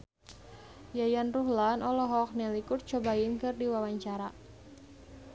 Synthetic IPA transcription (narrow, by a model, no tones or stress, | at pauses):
jajanruhlanʔɔlɔɦɔk̚nelikʊrt͡ʃobaɪnkɨrdiwawaɲt͡ʃaɾa